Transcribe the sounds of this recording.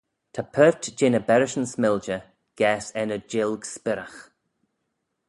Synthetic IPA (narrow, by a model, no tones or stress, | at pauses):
t̪ʰapʰɜːtd͡ʒɪnəbɛɾɪʃənsmɪld͡ʒə | ɡ̥ɛːsɛnəd͡ʒɪlɡspɪɾəx